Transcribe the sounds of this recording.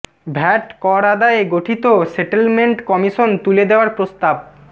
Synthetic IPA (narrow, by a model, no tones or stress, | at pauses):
bʱɛʈkɔɾad̪aeɡoʈʰit̪oseʈelmeɳʈkɔmiʃont̪uled̪eoaɾpɾost̪ab̚